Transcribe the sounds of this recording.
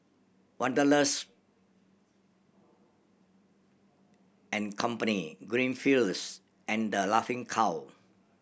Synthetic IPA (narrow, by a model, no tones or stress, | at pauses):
wãndələs | ɛ̃nkʰɔ̃mpəniɡɹĩnfils | ʔɛ̃ndəlafɪ̃ŋkʰaw